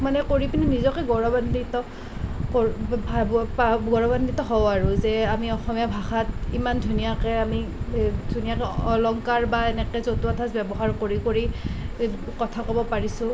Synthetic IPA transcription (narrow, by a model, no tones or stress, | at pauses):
manɛkoɹipininizɔkɛɡɔɹɔbanditɔ | kɔbʱabpaɡɔɹɔbanditɔɦɔwaɹuzɛamiɔxɔmijabʱaxatimandʱunijakɛamidʱunijakɛɔlɔŋkaɹbaɛnɛkɛzotuatʰasbɛbɔɦaɹkoɹikoɹi | kɔtʰakɔbɔpaɹisʊ̃